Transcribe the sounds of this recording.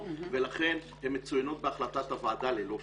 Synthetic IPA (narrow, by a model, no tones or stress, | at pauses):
velaχe̞n | hemːet͡sujano̞t̪̚beaχlatat̪avaːd̪alelo